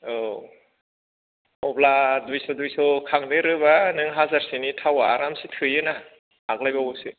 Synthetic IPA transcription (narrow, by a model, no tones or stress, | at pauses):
o | ɔbladujsɔdujsɔkʰaŋnɯɾɯbanɯŋɦazaɾsinitʰawaːɾamsitʰɯjɯna | ak̚lajbausɯ